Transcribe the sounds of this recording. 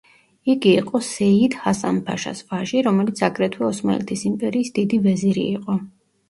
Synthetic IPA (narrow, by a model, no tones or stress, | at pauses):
iɡiːqʼɔsɛid̪hasampʰa̰ʃa̰svaʒiɾɔmɛlit̪sʰakʼɾɛt̪ʰwɛɔsma̰ɛlɛt̪ʰisimpʼɛɾiːsd̪id̪ivɛziɾḭːqʼɔ